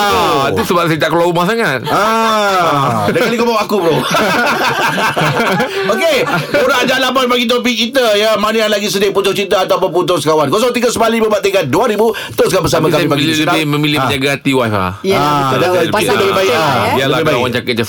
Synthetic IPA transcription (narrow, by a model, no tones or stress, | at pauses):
t̪usəbapsəit̪aʔkəlawumasaŋat̪̚a | dakalikobawakubɾo | okeuɾaʔd͡ʒalabanpaɡit̪̬op̬ikit̪əjəmanəanlaɡisədepunt̪ʊht͡ʃit̪̬aːt̪awponpunt̪̬ʊsəkawankosɔŋt̪iɡəsəbalibəbaʔt̪ekanduaɾibu | t̪oskabəs̬amãkamibaislət̪abɪməmilɪməɲaɡat̪iwajla̰adaɡaiuəbebaɪaialabebaawant͡ʃakət̪̚d͡ʒa